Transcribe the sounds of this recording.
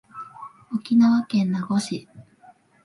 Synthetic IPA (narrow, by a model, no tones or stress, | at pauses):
okʲinaβakẽ̞nːaɡo̞ɕi